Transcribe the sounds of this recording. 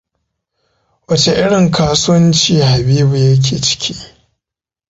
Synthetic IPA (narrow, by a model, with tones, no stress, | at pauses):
wɐ˦t͡ʃe˨ʔɪ˦ɽɪ˨ŋkaː˦sʊ˦wɐ˦nt͡ʃiː˦ha˨biː˦bu˨jɐ˦k̬ʲʰeː˨t͡ʃɪ̥˦kʲʰiː˦